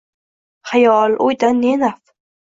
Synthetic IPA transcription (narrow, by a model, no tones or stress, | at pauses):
χajɒlojd̪anːenaf